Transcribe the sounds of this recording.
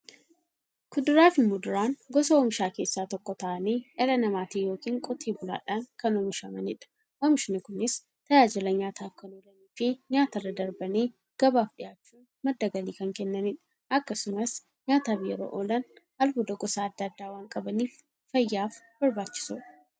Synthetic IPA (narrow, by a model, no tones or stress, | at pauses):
kʊd̪ʊɾaːfɪmʊd̪ʊɾaːnɡɔsɐɔmɪʃaːke̞ːsːaːt̪ɔkːɔt̪ɐʔɐniːʔɛɾɐnɐmaːt̪iːjo̞ːkiːŋkʼɔt̪ʰiːbʊla̰ːᶑaːnkɐnɔmɪʃɐmɐnɪᶑɐ̥ | ʔɔmɪʃnɪkʊnɪs | t̪ɐjaːd͡ʒɪlɐɲaːt̪ʰaːfkɐnoːlɐniːfɪɲaːt̪ɐrːɐd̪ɐɾbɐneː | ɡ̥ɐbaːfɗɪjaːt͡ʃːuːn | mɐd̪ːɐɡɐliːkɐŋkɛnːɐnɪᶑɐ̥ | ɐkːɐsʊmɐs | ɲaːt̪aːfjɛɾo̰ːʔolɐn | ɐlfʊd̪ɐɡɔsaːɐd̪ːɐːd̪ːaːwaːŋkʼɐbɐniːf | fɐjːaːfb̥ɐɾbaːt͡ʃːɪ̥suːᶑɐ̥